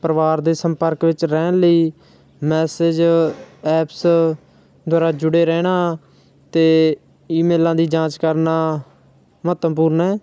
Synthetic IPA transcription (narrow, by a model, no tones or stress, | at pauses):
pəɾəʋaːɾd̪eːsəmpəɾkʋɪt͡ʃɾɛːnləiː | mɛːsed͡ʒ | ɛːps | d̪ʱwaːɾaːd͡ʒʊɽeːɾɛːɽ̃aː | t̪eː | iːmeːlãːd̪iːd͡ʒãːt͡ʃkəɾnaː | mət̪əmpuːɾnɛː